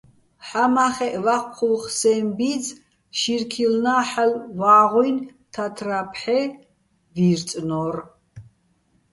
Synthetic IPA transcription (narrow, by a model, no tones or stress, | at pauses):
ħamaχɛʔvaχʷqʰulχsɛmbid͡z | ʃirkʰilnaːħalvaːʁujnt̪ʰat̪ʰrapʰħɛ | viːrt͡sʼnɔr